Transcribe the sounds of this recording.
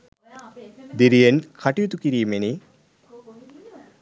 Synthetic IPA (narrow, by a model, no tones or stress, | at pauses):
d̪iɾijenkʰɐʈːijut̪ukiɾiːmeni